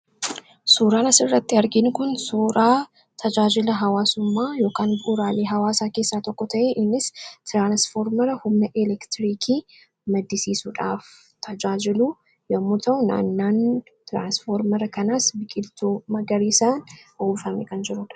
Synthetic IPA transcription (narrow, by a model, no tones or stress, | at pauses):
suːɾaːnɐsɪrːɐt̪ːɪɐɾɡɪnkʊnsuːɾaː | t̪ʰɐd͡ʒaːd͡ʒɪlɐɦɐwaːsʊmːaːjo̞ːkaːnbuːɾaːleːɦɐwaːsaːke̞ːsːaːt̪ɔkːɔt̪ɐʔeʔɪnːɪst̪ɾaːnsfoːɾmɐɾɐhʊmnɐʔɛlɛkt̪ɾiːkʰiː | mɐd̪ːɪsiːsuᶑa̰ːf | t̪ʰɐd͡ʒaːd͡ʒɪluː | jɐmːʊt̪ʰɐʊna̰ːnːaːn | t̪ɾa̰ːnsfoːɾmɐɾɐkɐnaːsbɪkʼɪlt̪ʰuːmɐɡɐɾiːsaːnhuːbfɐmɛ̰kɐnd͡ʒɪɾuːᶑɐ̥